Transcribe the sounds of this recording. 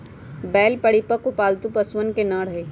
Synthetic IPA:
bɛːlpəɽipəkʊpaːlt̪upɐswənkenãɽ̤əeː

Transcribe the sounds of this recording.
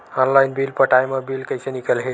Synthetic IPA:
ɔnlajnbilpəʈajmʌbilkəjsenikəlɦe

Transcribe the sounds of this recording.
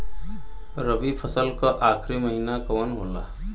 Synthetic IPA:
ɾəbipʰəsəlkʌʔakʰɾiməɦinakəwənɦola̰

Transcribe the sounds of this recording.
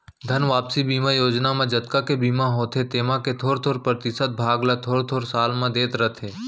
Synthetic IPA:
d̪ʱənʋaːpsibiːmajoːd͡ʒnamẽd͡ʒət̪kakebiːmãɦoːt̪ʰet̪eːmãket̪ʰoːɾt̪ʰoːɾpɾət̪ɪsət̪̚bʱaːɡlat̪ʰoːɾt̪ʰoːɾsaːlmãd̪eːt̪ɾət̪ʰeː

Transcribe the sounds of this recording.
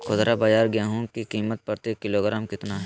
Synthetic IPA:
kʊd̪ɾabɐd͡ʒaːɾɡjaɦũkikiːmət̪̚pɐɾt̪ekɪloːɡɾaːmkɪt̪naɦ

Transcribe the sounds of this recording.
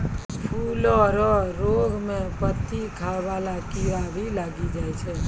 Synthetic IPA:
pʰulɔɾɔɾoɡmẽpət̪ːikʰaʋalakiabʱilaɡid͡ʒaːjt͡ʃʰɛ

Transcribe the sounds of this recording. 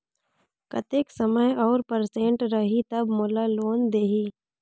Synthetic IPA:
kɐt̪eːksəməjɔːɾpəɾsẽːɳʈɾɐɦit̪ɐbmoːlaloːnd̪eːɦiː

